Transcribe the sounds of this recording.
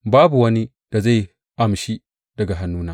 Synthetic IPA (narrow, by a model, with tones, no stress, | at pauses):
baː˦bu˨wɐ˦ni˦ | d̥a˨za˦˨j | ʔa˨mʃi˦ | d̥ɐ˨ɡa˨ɦa˦nːuː˦naː˨